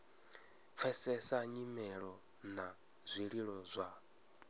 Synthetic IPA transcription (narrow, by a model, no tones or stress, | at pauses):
p̪fʰɛsɛsaɲimɛɺɔ | na | zʷiɺiɺɔzʷa